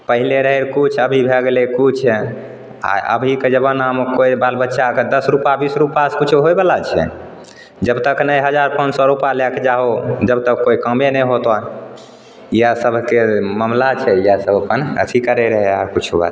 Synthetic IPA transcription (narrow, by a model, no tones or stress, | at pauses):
pəɦileɾəɦeɾkut͡ʃʰəbʱibʱeɡelekut͡ʃʰɛ | a̰ʔə̰bʱiked͡ʒəbənamkoibalbətːʃaked̪əsɾupabisɾupaskut͡ʃʰuɦojbelat͡ʃʰɛ̰ | d͡ʒəbt̪əknəjɦəd͡ʒaɾpənd͡ʒsɔɾupalɛked͡ʒaɦod͡ʒəbt̪əkːoikəmenəɦot̪ɔ | ijasəbʱkeməmlat͡ʃʰɛijasəbʱopənə̰t̪ʰikəɾɛɾəɦɛaɾkut͡ʃʰuba̰